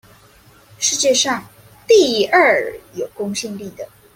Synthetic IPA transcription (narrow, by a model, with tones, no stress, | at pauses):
ʂɻ̩˥˧t͡ɕjɛ˥˧ʂɑ˥˧ŋ | t̪i˥˧ə˥˩jo˨˩ʊkʊ˥ŋɕi˥˧ŋli˥˩d̪ə˩